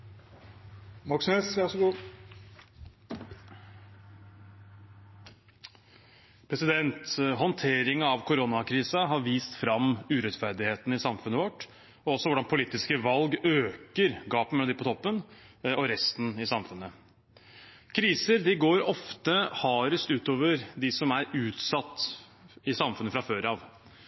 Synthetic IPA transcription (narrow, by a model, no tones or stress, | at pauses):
mɔks̩eːsʋɑʂɔɡuː | pʰɾɛsɪd̪ɛnt̪ɦɔnt̪ʰeːɾɪŋəɑʋkʰʊɾɔnɑkʰɾiːsɑɦɑɾʋiːst̪fɾɑmʉɾɛt̪fæɾd̪ɪheːt̪n̩ɪsɑmfʉnːəʋɔʈː | ɔɔsːɔʋʊɖɑnpʰʊliːt̪ɪskəʋɑlɡøːkəɾɡɑːpm̩d̪ɪpʰɔt̪ʰɔpːənɔɾɛst̪n̩ɪsɑmfʉnːə | kʰɾiːsəɾd̪ɪɡoːɾɔft̪əhɑːɾəst̪ʉːt̪oːʋəɾd̪ɪsɔmæɾʉːt̪sɑt̪ːɪsɑmfʉnəfɾɑføːɾɑːʋ